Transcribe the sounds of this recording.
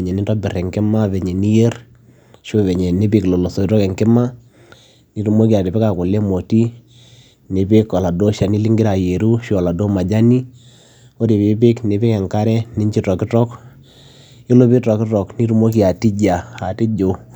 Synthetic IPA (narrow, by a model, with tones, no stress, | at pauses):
e˨ɲɛ˨ni˦tɔ˦bɪ˨rɛ˨ŋkɪ˦ma˦βɛ˨ɲɛ˨ni˦je˦r | ʃo˦βɛ˨ɲɛ˨ne˦pi˦klo˨lo˨sɔ˨i˦tɔ˦kɛ˨ŋkɪ˦ma˦ | ni˦ɾu˦mo˦ki˨a˨ti˨pe˦ka˨ko˨le˦mo˨ti˦ | ne˨pe˦kɔ˨la˨do˦ʃa˨ni˦li˦ŋɡɪ˦ɾa˨je˨ɾu˦ʃo˦ɔ˨la˨do˦ma˨d͡ʒa˦ni˦ | o˦ti˨pe˦p̬ɪ˦kne˨pe˦kɛ˨ŋka˦ɾɛ˦ni˦ɲt͡ʃi˦tɔ˨kɪ˦tɔ˦k | ɪ˦lo˦pi˦tɔ˨kɪ˦tɔ˨kni˦ɾu˦mo˦k̬i˨a˨ti˦d͡ʒa˨a˨ti˦d͡ʒo˨